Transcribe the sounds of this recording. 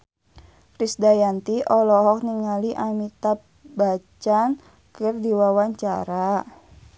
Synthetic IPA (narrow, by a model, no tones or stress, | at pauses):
kɾisdajant̪iɔlɔɦɔk̚niŋaliʔamit̪a | bat͡ʃan | kərdiwawaɲt͡ʃaɾa